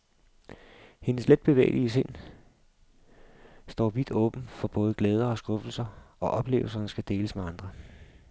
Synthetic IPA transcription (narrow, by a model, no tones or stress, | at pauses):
he̝nəsled̥̚b̥e̝ʋɛ̰ːɪlʔiəs̬e̝n̰ | sd̥ɒ̰ːʋid̥ɔ̽ːb̥n̩fɒ̽b̥ɔ̽ːð̞̩ˠəɡ̥leːð̞ˠɐɒ̽sɡ̥ɔ̽fl̩sɐɒ̽ʔɒ̽b̥le̝̰ːʊl̩sɐsɡ̥æd̥e̝ːləsmeɑ̈nd̥ʁɐ